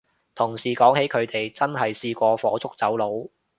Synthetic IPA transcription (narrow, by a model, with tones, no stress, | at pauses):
t̪ʰʊ˨˩ŋsiː˨kɔː˨˥ŋhe˨˥jkʰɵ˨˧ɥt̪e˨jt͡sɐ˥nɦɐ˨jsiː˧kʷɔː˧fɔː˨˥t͡sʰʊ˥k̚t͡sɐ˨˥wlo˨˧˥w